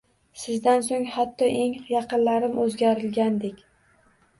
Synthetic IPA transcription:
sɪzd̪ans̬oŋhat̪ʰːɒʔe̞ŋjɑqɨnlaɾɪmʔɵzɡʲaɾɪlɡʲand̪ekʲ

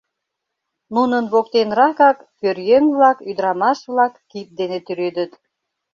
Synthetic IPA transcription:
nunənβok̚t̪enɾɑkɑkːørjøŋβlɑkyd̪əɾɑmɑʃβlɑkːit̪̚d̪enet̪yɾed̪ət̪

